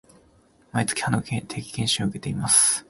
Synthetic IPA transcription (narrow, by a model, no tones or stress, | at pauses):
mait͡sɨ̥kʲi̥hanokẽnt̪ʰe̞kʲi̥kẽ̞ɕiɯ̟ke̞t̪e̞imasɨ̥